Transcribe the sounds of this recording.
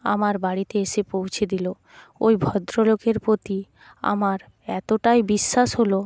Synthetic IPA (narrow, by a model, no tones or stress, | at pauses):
a̰maɾbaɽit̪eeʃepowt͡ɕʰed̪ilo | ojbʱɔd̪ɾolokeɾpɾot̪i | a̰maɾ | ɛt̪oʈajbiʃːaʃɦolo